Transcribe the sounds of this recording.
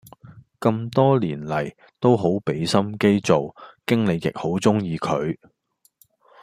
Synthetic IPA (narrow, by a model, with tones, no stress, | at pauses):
kɐ˧mt̪ɔː˥liː˨˩nlɐ˨˩j | t̪o˥wɦo˨˥wpe˨˥jsɐ˥mke˥jt͡so˨wkɪ˥ŋlɪ˨˧k̚jɪ̰˨k̚ho˨˥wt͡sʊ˥ŋjiː˧kʰɵ˨˧ɥ